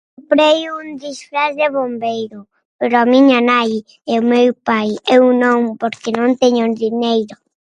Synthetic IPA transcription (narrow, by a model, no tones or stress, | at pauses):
pɾejund̪isfɾazd̪eβombejɾo | peɾoamiɲanaj | ɛumewpajɛuŋnõmpoɾkenõnt̪eɲod̪iɲejɾo